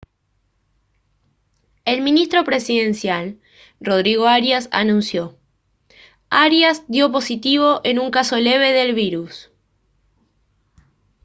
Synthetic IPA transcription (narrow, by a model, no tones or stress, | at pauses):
e̞lmĩnist̪ɾo̞pɾe̞siðe̞nsjal | ro̞ð̞ɾiɣ̞o̞aɾjasa̰nũnsjo̞ | aɾjazðjo̞p̬o̞sit̪iβ̞o̞ʔenuŋkaso̞le̞β̞e̞ðe̞lβiɾus